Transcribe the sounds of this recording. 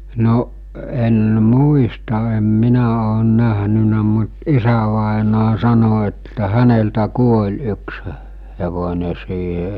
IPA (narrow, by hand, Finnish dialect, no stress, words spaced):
noʔ en muistɑ em minæ oːn næɦnynæ mut isæʋɑˑenɑː sɑno etːæ hæneltæ kuolʲ yksə heʋone siːhe